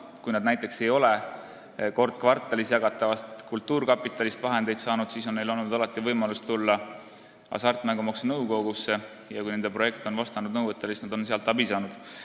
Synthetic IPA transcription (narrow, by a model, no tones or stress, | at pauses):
kujnɑd̪næjt̪ːˑe̞kse̞jo̞le | ko̞rd̪̥̚kvɑrt̪ːˑɑlisjɑɡ̥ɑt̪ːˑɑvɑst̪kult̪ːˑuːrkɑpːˑit̪ːˑɑlist̪vɑɦe̞nd̪̥e̞jd̪sɑːnud̪̥siːsonːejlo̞lnud̪ɑlɑt̪ːˑivɤjmɑlust̪t̪ulːɑ | ɑ̰sɑrt̪ːˑmæŋɡ̥umɑksnɤwko̞ɡusːe̞ | jɑkujnend̪e̞pro̞je̞kt̪onvɑst̪ɑnud̪̚nɤwvət̪ːˑelsisnɑd̪o̞nseɑlt̪ːˑɑbisɑːnud̪̥